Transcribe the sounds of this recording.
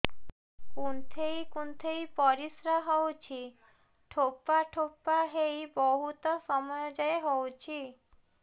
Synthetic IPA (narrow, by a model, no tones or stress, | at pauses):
kunt̪ʰejkunt̪ʰejpɔɾisɾaɦɔwt͡ʃʰi | ʈʰopːaʈʰopːaɦejbɔɦut̪ɔsɔmɔjɔd͡ʒaeɦowt͡ʃʰi